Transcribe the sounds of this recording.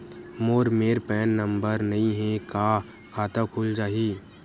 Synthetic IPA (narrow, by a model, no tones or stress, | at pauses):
moːɾmeːɾpɛːnːə̃mbəɾnɐɦĩɦɛ̃ka | kʰaːt̪ãkʰuːld͡ʒaːɦiː